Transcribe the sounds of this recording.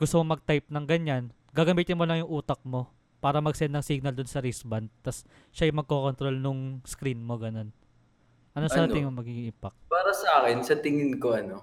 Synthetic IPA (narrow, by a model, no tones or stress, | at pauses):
ɡ̥ʊst̪omomɐɡ̚t̪ajp̚nɐŋɡɐɲan | ɡaːɡɐmiːt̪ɪnmolɐŋjʊŋʔuːt̪ɐk̚mo̞ | paːɾɐmɐɡsɛnd̪ːɐŋsiɡ̚nɐld̪ʊnsɐɾisbɐnd̪̚t̪ːɐs | ʃaʔɐjmɐɡ̚koko̞nt̪ɾo̞lnʊŋskɾinmo̞ɡɐno̞n | ʔɐnosɐaːt̪ɪɲmomɐɡiŋːʔɪmpɐk̪̚paːɾɐsɐʔaːkɪnsɐt̪ɪŋɪnko̞ʔɐno